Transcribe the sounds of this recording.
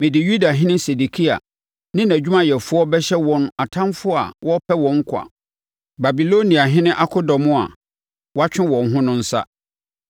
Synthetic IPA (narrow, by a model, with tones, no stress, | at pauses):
mɪ̃˨dɪ˨ju˦da˨ɦɪ̃˦nɪ̃˦se˨du˨kʰi˦a̰˨ | nɪ̃˦næ˨d͡ʑᶣu˦mã˦jɛ˨fʊ˦ɔ˦bɛ˦ɕɛ˦wɔ̃˦n˦a˨tʰã˦nfʊ˦a̰˨wʔɔ˦pʰɛ˦wɔ̃˨ŋ̩˦kʷʰa̰˨ | ba˨bi˨lo˦nĩ˨a˨ɦɪ̃˦nɪ̃˦ʔa˦kʰʊ˦dɔ˨mʊ̃˦a̰˨ | wɔ˦a˦t͡ɕᶣɪ̃˦wɔ̃˨nɦʊ̃˦nʊ̃˦n̩˦sa̰˦